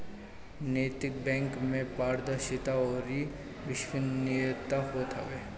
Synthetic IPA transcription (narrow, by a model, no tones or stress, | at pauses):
neːt̪ɪk̚bɛ̃ːŋkmẽpaːɾd̪əɾʃɪt̪aɔːɾi | ʋɪʃwɪniət̪aɦot̪ʰaʋeː